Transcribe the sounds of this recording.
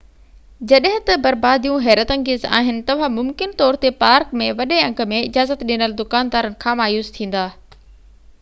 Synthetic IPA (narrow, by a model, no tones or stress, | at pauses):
d͡ʑɐɗɦɪ̃t̪ɐbɐɾbaːd̪ijũɦɛːɾət̪ɐ̃ŋɡɪza̰ːɦɪnɪ̆t̪ɐʋ̤ãmʊmkɪnt̪ɔːɾt̪epaːɾkmẽʋɐɗeɐ̃ŋɡə̆mẽɪd͡ʑaːzət̪ɗinəld̪ʊkaːnd̪aːɾənɪ̆kʰãːmaːjuːst̪ʰĩːn̆d̪aː